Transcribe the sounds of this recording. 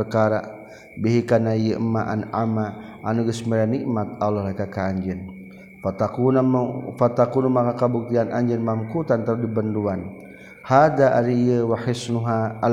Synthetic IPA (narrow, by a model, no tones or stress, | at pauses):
əkaɾa | biɦikanaiəʔəmːaʔa̰nʔama | ʔanuɡəsmiɾaniʔmat̪̚alɔɦlakakaːɲd͡ʒɪn | t̪aufat̪akunumakakabuk̚t̪ianaɲd͡ʒənmamkut̪ant̪aɾudibənduan | had̪aʔaɾijəwaħisnuɦaal